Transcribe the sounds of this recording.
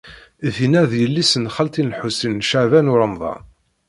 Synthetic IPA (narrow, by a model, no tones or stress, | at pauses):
θinæðjəlːisənχəlt̪inħusinːʃaʕvænʊɾəmðˤɑ̰